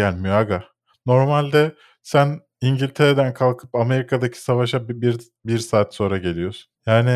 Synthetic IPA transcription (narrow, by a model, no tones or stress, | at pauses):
jælʲmijoaɡa | no̞ɾmalʲd̪ɛ | sæn | iɲɟilʲt̪ʰe̞ɾed̪ænkʰalˠkʰɯ̥pame̞ɾikʰad̪acʰi̥savaʃabiɾ | biɾsaːt̪so̞nɾaɟe̞lʲijo̞su̥njaːnɪ